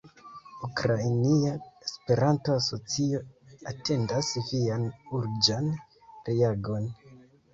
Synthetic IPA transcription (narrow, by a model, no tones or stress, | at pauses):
ukɾajniaespe̞ɾʔanto̞aso̞t͡sio̞ate̞ndasvianuɾd͡ʒan | ɾeaɡo̞n